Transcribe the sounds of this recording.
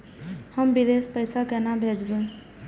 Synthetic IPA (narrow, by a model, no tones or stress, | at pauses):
həmbid̪espəɪsakɛnabʱed͡ʒbe